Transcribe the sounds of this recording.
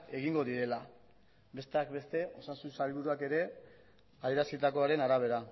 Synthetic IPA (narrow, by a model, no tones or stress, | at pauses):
e̞ɣiŋɡo̞ðiɾe̞la | be̞st̪e̞akbe̞st̪e̞o̞sansusalβ̞uɾuake̞ɾe̞ | aðie̞ɾasit̪ako̞aɾe̞naɾaβ̞e̞ɾa